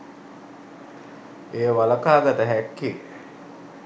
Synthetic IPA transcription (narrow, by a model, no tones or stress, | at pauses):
eːʋaləkaːɡat̪əɦækːi